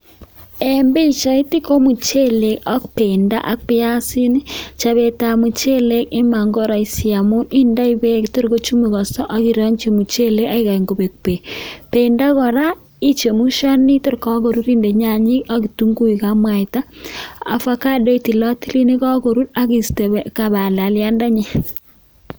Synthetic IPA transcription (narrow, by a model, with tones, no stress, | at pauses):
e˨mbe˦it͡ʃa˨i˦ti˦ko˦mu˨t͡ʃe˦le˨kɔ˦kpe˨nda̰˦ʔa̰˦k̚pe˦ja˦si˦ni˦t͡ʃa˨βe˨ta˨mu˨t͡ʃe˦le˦ki˦ma˨ŋɡo˦ɾa˨i˦sja˨mu˦ni˦nda˦i˦βe˦kto˦ɾko˦t͡ʃu˦mi˨ɣɔ˨sɔ˦ʔa˦ɣi˨ɾɔ˦ɲt͡ʃe˨mu˨t͡ʃe˦le˦ka˦i˦ɣa˨iŋɡo˨βe˨k̚pe˨pe˨nda˦kɔ˨ɾa˦ | i˦t͡ʃe˨mu˦ʃa˦ni˦to˦ɾkɔ˦ɣo˨ɾu˦ɾi˦nde˨ɲa˨ɲi˦ka˦ki˨tu˦ŋɡu˦i˨ka˦mwa˨ita˦a̰˨fa˦ka˦dɔ˦i˦ti˨lɔ˦ti˦li˦ni˦kɔ˦ko˨ɾu˦ɾa˦ɡi˨ste˨ka˨ba˨la˨lja˦nda˦ɲe˦